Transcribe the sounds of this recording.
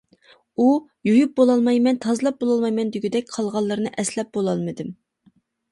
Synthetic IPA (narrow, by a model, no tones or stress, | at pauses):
ujojup̚bolˠɑlˠmɑjmɛnt̪ʰɑzlˠɑp̚bolˠɑlˠmɑjmɛnd̪yɡʲyd̪ɛk̚ʲqʰɑlˠʁɑlˠːɨɾɨnɨʔɛslɛp̚b̥olˠɑlˠmɨd̪ɨm